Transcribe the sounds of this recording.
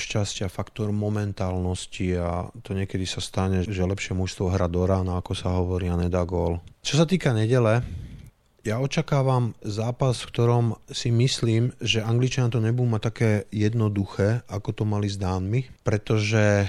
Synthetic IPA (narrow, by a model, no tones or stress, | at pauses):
ʃcascɪafakt̪ɔɾmɔmɛnt̪aːlnɔscia̰t̪ɔɲɪɛkɛd̪isast̪aɲɛʒɛlɛpʃɪɛmuʃst̪ʋɔɦɾad̪ɔɾaːnaakɔsaɦɔʋɔɾiaɲɛd̪aːɡɔːlt͡ʃɔsat̪iːkaɲɛɟɛlɛ | jaɔt͡ʃakaːʋamzaːpasfkt̪ɔɾɔmsimisliːmʒɛaŋɡlit͡ʃanat̪ɔɲɛbud̪uːmat̪akɛːjɛd̪nɔd̪uxɛːakɔt̪ɔmalizd̪aːnmipɾɛt̪ɔʒɛ